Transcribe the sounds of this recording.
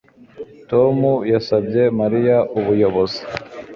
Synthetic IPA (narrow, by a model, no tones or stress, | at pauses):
tomujasabɟe̞maɾijaʔuβujoβozi̥